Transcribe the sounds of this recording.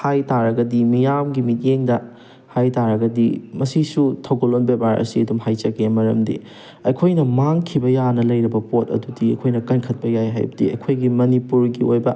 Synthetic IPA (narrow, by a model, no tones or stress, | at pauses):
hajtaɾɐɡɐdimijamɡimit̚jeŋdɐ | hajtaɾɐɡɐdimɐsisutʰɐwɡolonbebaɾɐ̰siɐdumhajt͡ʃɐɡemɐɾɐ̰mdḭ | ɐjkʰojnɐmaŋkʰibɐjanɐlɐjɾibɐpot̚ɐ̰dudiɐ̰jkʰojnɐkɐnkʰɐt̚pɐjajɦa̰jbɐdiɐ̰jkʰojɡimɐnipuɾɡiojbɐ